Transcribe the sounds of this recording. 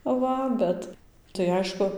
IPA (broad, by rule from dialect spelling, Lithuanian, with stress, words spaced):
ˈʋɐ ˈbʲɛt tɐɪ ˈɐɪʃkʊ